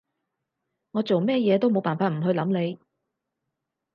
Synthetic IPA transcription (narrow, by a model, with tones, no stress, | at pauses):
ŋɔː˨˧t͡so˨wmɛː˥jɛː˨˧t̪o˥wmo˨˧wpaː˨˩nfaː˧t̚m̩˨˩ɦɵ˧ɥlɐ˨˥mne˨˧j